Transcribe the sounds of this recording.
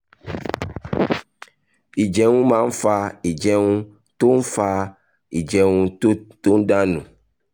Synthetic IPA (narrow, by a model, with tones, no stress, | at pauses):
i˨d͡ʒɛ˨ŋũ˦mã˦ŋ̩˦fa˧i˨d͡ʒɛ˨ŋũ˦ | t̪o˦n̩˦fa˧ | i˨d͡ʒɛ˨ŋũ˧to˦t̪o˦ŋ̩˦ɖã˦nṵ̃˨